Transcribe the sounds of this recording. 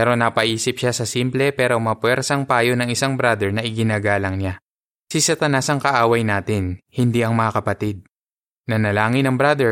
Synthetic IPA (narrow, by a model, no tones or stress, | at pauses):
pɛɾo̞nɐpɐʔiːsɪpʃasɐsimplɛpɛːɾo̞mɐpwɛɾsɐŋpaːjo̞nɐŋɪsaŋbɾad̪ɛɹnɐʔɪɡɪnaːɡaːlɐŋɲa | sɪsɐt̪ɐnasɐŋkɐʔaːwɐjnaːt̪ɪnhɪnd̪iʔɐŋmɐŋakɐpɐt̪id̪̚ | nɐnɐlaːŋɪnɐŋbɾad̪ɛ